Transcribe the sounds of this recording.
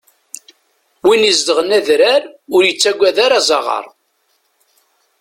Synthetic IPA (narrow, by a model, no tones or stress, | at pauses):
winizd̪əʁənæðɾaɾʊɾjət͡sːæɡʷæðaɾazˤɑʁɑ̰ɾˤ